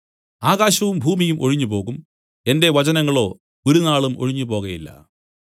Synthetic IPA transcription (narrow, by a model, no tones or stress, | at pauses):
aːɣaːɕɐʋumbʱuːmijumʔo̞ɻiɲːupo̞ːɣum | e̞nde̞ʋɐt͡ɕɐnɐŋːɐɭo̞ː | oɾunaːɭumo̞̰ɻiɲːupo̞ːɣɐjilːɐ̰